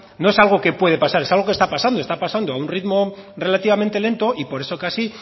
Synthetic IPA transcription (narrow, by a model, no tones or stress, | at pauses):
no̞e̞salɣ̞o̞ke̞pwe̞ð̞e̞pasaɾesalɣ̞o̞kest̪apasand̪oest̪apasand̪o̞aunrit̪mo̞ | re̞lat̪iβ̞ame̞nt̪e̞le̞nt̪o̞ʔipo̞ɾe̞so̞kasi